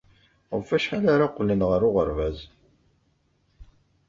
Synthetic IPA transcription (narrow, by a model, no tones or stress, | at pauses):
ʁfæʃħalaɾaqlːənʁəɾʊʁəɾvæz